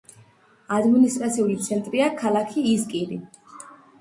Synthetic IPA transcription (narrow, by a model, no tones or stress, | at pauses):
ad̪minist̪ʼɾat̪sʰiulit̪sʰɛnt̪ʼɾiakʰalˠakʰiːzkʼiɾi